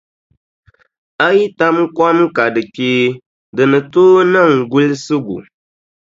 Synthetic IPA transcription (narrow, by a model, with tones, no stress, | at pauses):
a˦ji˦ta˦mkʷɔ˦m˦ka˨dɨ˨teː˦ | dɨ˨nɨ˨toː˦nɨ˦˨ŋɡu˦lsɨ˦ɡṵ˨